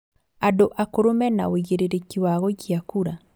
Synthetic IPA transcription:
adoʔakoɾomɛna̰oɣeɾeɾekiwaɣoɣiakuɾa

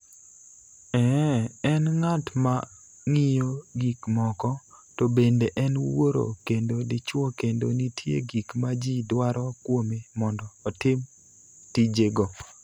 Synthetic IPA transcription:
ɛɛnŋatma | ŋijoɡikmɔkɔ | tobendeʔɛnwoɾo̰kendodɪt͡ʃwɔkendonitjḛɡikmad͡ʒidwaɾɔkwomemɔndɔːtɪm | tid͡ʒeɡɔ

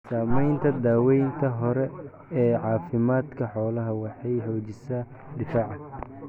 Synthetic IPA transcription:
saːmɛjnt̪ʰɐd̪aːwɛjnt̪ʰɐɦɔɾɛ | ɛːʕɑːfɪmaːd̪kʰɐħɔːlɐɦɐwɑħɑjhɔːt͡ʃɪsaː | d̪ɪfaːʕɑ

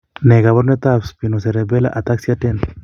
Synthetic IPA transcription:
neɡaβoɾnet̪abspinoseɾebela̰ʔat̪aksiaʈen

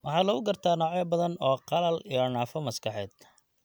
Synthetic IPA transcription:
wʔɑħɑːlɐɣʊɡɐrt̪ʰaːnɔːʕjɛbɐðɐnɔːqɑlɐlijɔɳaːfɔmɐskʰɑħɛːd̪̥̚

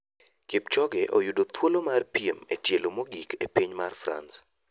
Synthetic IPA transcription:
kip̚t͡ʃɔɡɛʔo̰judot̪wolomarpiemḛtjelomoɡikḛpiɲmarfɾa̰ns

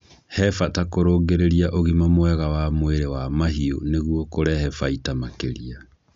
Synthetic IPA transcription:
hɛfatakoɾoːɡeɾeɾiaʔoɣimamwɛɣawamweɾewamaɦio̰neɣwɔkoɾɛhɛfaitamakeɾia

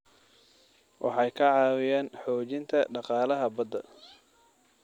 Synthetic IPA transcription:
wʔɑ̰ħɑjkʰɐʕɑːwɪjɛːnħɔːt͡ʃɪnt̪ʰɐɖɑqɑːlɐɦɐbɐd̪ːɐ̰

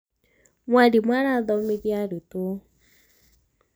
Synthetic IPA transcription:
mwadimwaɾaðɔmeðjaɾuto

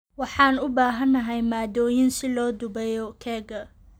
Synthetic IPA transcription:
wɑħɑːnʊbaːɦɐnːɐɦɛjmaːd̪ɔːjɪnsɪlɔːd̪ʊbɛjɔkʰɛːɡɐ

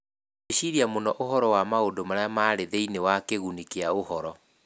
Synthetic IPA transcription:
eʃiɾiamonɔʔoɦɔɾɔwamaodomaɾeamaːɾeðeinewakeɣunikeaohɔɾɔ

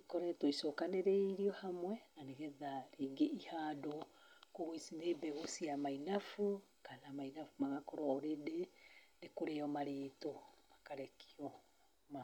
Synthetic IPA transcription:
ikɔɾɛtoisɔkaneɾeiɾiɔhamwɛnaneɣɛðaɾeːŋɡeʔihaːdɔ | koɣisinebɛɣosiamainafu | kanamainafumaɣakɔɾɔoɾedenekoɾeɔmaɾeːtomakaɾɛkʰiɔ | ma

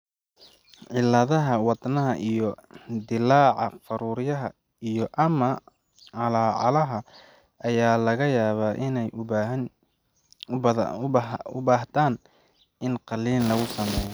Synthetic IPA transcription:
ʕɪlːɐðɐɦɐwɑd̪nɐɦɐʔijɔd̪ɪlaːʕɑfɐɾuːɾjɐɦɐ | ijɔʔɐmɐ | ʕɑlaːʕɑlɐɦɐ | ɐjaːlɐɣɐjaːβaːʔɪnɛj | ʊ̰baːɦt̪aːn | ɪnqɑliːnlɐɣʊsɐmɛːjɔ

